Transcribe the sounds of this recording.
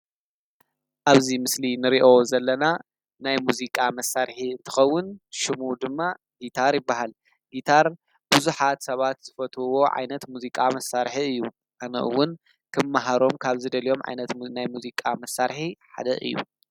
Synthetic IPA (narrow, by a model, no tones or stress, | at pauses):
ʔaβzimɨslinɨɾiʔozɐlːɐna | najmuzikʼamɐsːaɾħiɨnt̪ʰɨ̥xɐwːʊnʃɪmud̪ɨmːa | ɡit̪ʰaɾjɪbːaɦal | ɡit̪ʰaɾ | b̥uzuħat̪sɐβat̪z̥ɨfɐt̪ʰuwo̞ʕa̰jnɐt̪muzikʼamɐsːaɾħiɨjːu | ʔanɐ̰ʔɨ̰wːʊn | kʰɨmːaɦaɾo̞mkʰaβzɨd̪ɐlijo̞mʕa̰jnɐt̪najmuzikʼamɐsːaɾħiħa̰d̪ɐ̰ʔɨ̰jːṵ